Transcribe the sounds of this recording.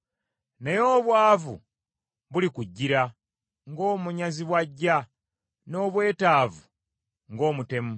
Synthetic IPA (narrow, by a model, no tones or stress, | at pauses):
nejo̞ːβwaːvṵ | βulikuɟːiɾa | ŋɡo̞ːmuɲaziβwaɟːa | no̞ːβwe̞ːtaːvu | ŋɡo̞ːmute̞mu